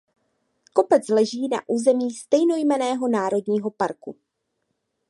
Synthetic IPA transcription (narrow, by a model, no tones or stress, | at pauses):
ko̞pɛt͡slɛʒiːna̰ʔuːzɛmiːst̪ɛjno̞jmɛnɛːɦo̞naːɾo̞dɲiːɦo̞paɾkṵ